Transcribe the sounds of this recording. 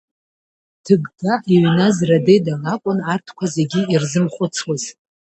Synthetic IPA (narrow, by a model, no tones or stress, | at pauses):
tʰɨɡdaʔiɥnazradejdalakʷʼʊnartʰkʷʰazeɡʲiirzɨmχʷʊt͡sʰwaz̥